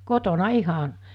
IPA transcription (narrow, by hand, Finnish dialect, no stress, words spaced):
kotonɑ ihɑn̞